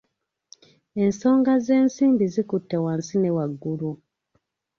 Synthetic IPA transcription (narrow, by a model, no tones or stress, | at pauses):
e̞nso̞ːŋɡaze̞ːnsiːmbizikutːe̞waːnsine̞waɡːulu